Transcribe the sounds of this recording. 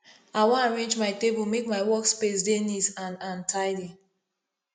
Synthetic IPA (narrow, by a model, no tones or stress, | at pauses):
awɔ̃ãɹẽnd͡ʒmaɪtebumekmaɪwɔkspesdenitãnãntʰaɪdi